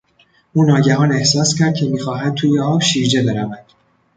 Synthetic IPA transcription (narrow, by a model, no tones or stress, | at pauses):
ʔuːnːɒːɟæɦɒːne̞hsɒːscʰæɾd̪̚cʰe̞miːxɒːɦæn̚t̪ʰuːjeɒːbʃiːɾd͡ʒe̞be̞ɾævænd̪̥